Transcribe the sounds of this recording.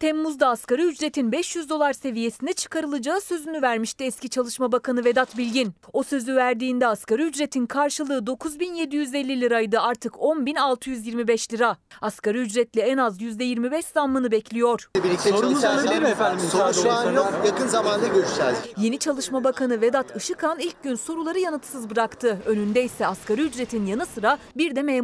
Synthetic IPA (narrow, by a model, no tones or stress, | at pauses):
t̪ʰɛmːuzd̪aːskaɾɯyd͡ʒɾe̞t̪ʰinbɛʃjyzd̪o̞lˠaɾse̞vije̞sind̪ɛt͡ʃʰɯ̥kʰaɾɯlˠɯd͡ʒaːɯsø̞zynyvæɾmiʃt̪ɛɛscit͡ʃʰalˠɯʃmabakʰanɯve̞d̪at̪bilʲɟino̞sø̞zyvæɾd̪iːnd̪ɛaskaɾɯyd͡ʒɾe̞t̪ʰinkʰaɾʃɯlˠɯːd̪o̞kʰuzbinje̞d̪ijyze̞lʲːilʲiɾajd̪ɯaɾt̪ʰɯkʰo̞nbinalˠt̪ʰɯjyzjiɾmibɛʃlʲiɾaaskaɾɯyd͡ʒɾɛt̪lʲɛɛnazjyzd̪ɛjiɾmibɛʃzamːɯnɯbɛclʲijo̞ɾ̥biieafænd̪imsouʃajakɯnzamand̪aɟøɾyʃt̪æɾd̪ije̞nit͡ʃʰalˠɯʃmabakʰanɯved̪at̪ʰɯʃɯkʰanil̚ʲɟynso̞ɾulˠaɾɯjanɯt̪sɯzbɯɾakt̪ʰɯø̞nynd̪ɛisɛaskaɾɯyd͡ʒɾe̞t̪ʰinjanɯsɯɾabiɾd̪ɛme